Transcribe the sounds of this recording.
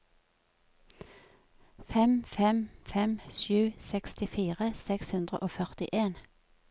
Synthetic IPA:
fɛmfɛmfɛmʃʉːsɛkst̪ɪfiːʁəsɛkshʉnd̪ʁə̰ʔoːfœʁt̪ɪʔeːn

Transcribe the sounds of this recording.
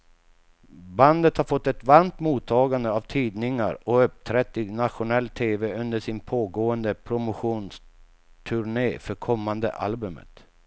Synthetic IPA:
band̪ət̪haɾfɔt̪ːɛt̪vaɾmt̪muːt̪ʰːɑːɡand̪əavt̪ʰiːd̪nɪŋa̰ɾɔɵp̚t̪ʰɾɛt̪ːɪnat̪ɧʊnɛlːt̪ʰeːvɛɵnd̪əʂɪnpʰoːɡoːənd̪əpʰɾʊmʊɧuːns | t̪ʰɵɾɳeːfœɾkʰɔmːand̪ə̰ʔa̰lbɵmə̰t̪

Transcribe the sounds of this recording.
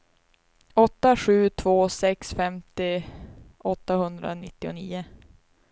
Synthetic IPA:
ɔt̪ːaɧʉ̟ːt̪ʰvoːsɛksfɛmt̪ɪ | ɔt̪ːahɵnd̪ɾa̰nɪt̪ːɪʊniːʊ

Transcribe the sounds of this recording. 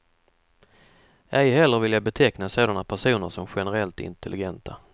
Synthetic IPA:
ɛjɦɛlːəɾvɪljabɛt̪ʰɛknasoːd̪anapʰæʂuːnəɾʂɔmɧɛnəɾɛlt̪ɪ̰nt̪ɛlʔɪɡɛnt̪ʰa

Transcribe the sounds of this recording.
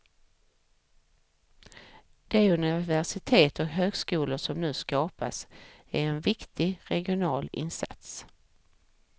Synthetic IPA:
d̪̥ɛɵnɪvæʂɪt̪ʰeːt̪ɔkɦøːɡskuːlʊʂɔmnʉ̟ːskɑːpa̰sæɾɛnvɪkt̪ɪɾɛɡɪʊnɑːlɪ̰nsa̰t̪s

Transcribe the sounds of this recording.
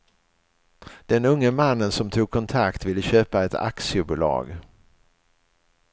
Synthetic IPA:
d̪̥ɛnɵŋːəmanːənsɔmt̪ʰuːɡ̚kʰɔnt̪ʰakt̪vɪlːəɕøːpaɛt̪a̰ksɪəbʊlɑ̰ːɡ

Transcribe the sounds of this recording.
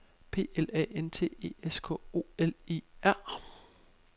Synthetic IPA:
pʰe̝̰ːelɛ̰ːent͡sʰe̝̰ːe̝̰ːeskʰɔ̰̽o̝̰ːele̝̰ːæɐ̰

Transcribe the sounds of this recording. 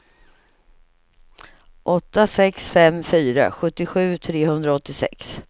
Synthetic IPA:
ʔɔt̪ːasɛksfɛmfyːɾa̰ɧɵt̪ːɪɧʉ̟ːt̪ʰɾeːhɵnd̪ɾaɔt̪ːɪsɛ̰ks

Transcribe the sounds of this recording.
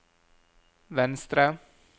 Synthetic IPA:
ʋɛnst̪ɾə

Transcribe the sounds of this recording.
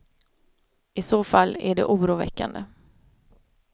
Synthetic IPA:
ɪsoːfalːæ̰ɖɛ̰ʔuːɾuːvɛ̰kːa̰nd̪ə

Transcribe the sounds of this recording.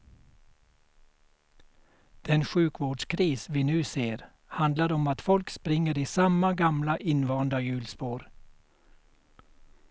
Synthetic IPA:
d̪̥ɛnʃʉːkʰʋoːɖskʰɾiːsʋiːnʉːseːɾ | hɑnd̪lɑɾɔmɑt̪fɔlkspɾɪŋəɾiːsɑmɑɡɑmlɑʔɪnʋɑːnd̪ɑjʉːlspoːɾ

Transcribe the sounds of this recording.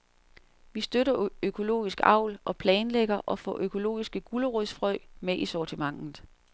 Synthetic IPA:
ʋisd̥øɾɐøkʰo̝lo̝̰ːisɡ̥ɑ̈ʊ̰lʔɒ̽pʰlɛːnleɡ̥ɐʔɒ̽fɒ̰ʔøkʰo̝lo̝̰ːisɡ̥əɡ̥uləʁuðˠsfʁœɪmeʔisɒt͡sʰimɑ̈ŋ̰nð̩ˠ

